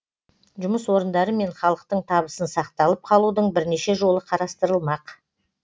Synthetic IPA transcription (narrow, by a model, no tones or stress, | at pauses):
ʒʊməswo̞ɾənd̪ɑɾəme̞ɴχɑlˠəq̚t̪əɴt̪ʰɑβəsənsɑq̚t̪ɑlˠəp̚qʰɑlˠud̪əɴbɪɾne̞ʃe̞ʒo̞lˠəqʰɑɾɑst̪əɾəlˠmɑq